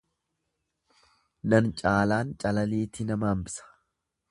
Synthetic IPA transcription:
nɐnt͡ʃʼaːlaːnt͡ʃʼɐlɐliːt̪ɪnɐmaːmbɪ̥sɐ̥

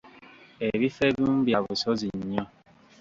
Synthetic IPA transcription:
eβifebum̩bjaβʊsɔziɲɲã

